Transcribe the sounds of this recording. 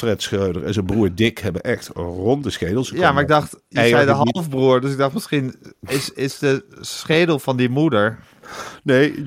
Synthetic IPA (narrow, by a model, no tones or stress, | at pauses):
frɛtsχøwdə̰rɛ̰nzənbruːɹdɪkhɛbənʔɛxtrɔntdəsχeːdl̩ˠsjamaɪɡ̚dɑxtjəzɛjdəɦɑlˠfbruəɹdøs̬ɪɡ̚dɑχtmɪsxinɪsɪsdəsχeːdəl̩ˠfɔndimudəɹ | neː